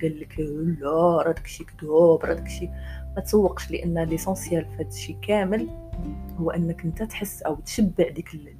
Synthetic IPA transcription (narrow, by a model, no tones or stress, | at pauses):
ɡælːəkəlːæɾˤæd̪əkʃikd̪ubɾˤɑ̰d̪əkʃimæt̪sˤɑwːəqʃləʔənːlisɑ̃sjælfæt̪ʃikæməlhʊwːʔənːəkʔənt̪æt̪ħəsːʔəwt̪ʃəbːəʕd̪ikəl